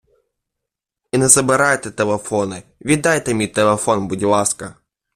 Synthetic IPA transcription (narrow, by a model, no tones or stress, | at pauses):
inɛzɐbɨɾajt̪ɛt̪ɛlˠɐfonɨvʲid̪ajt̪ɐmʲit̪ɛlˠɛfonbʊdʲɪlˠaskɐ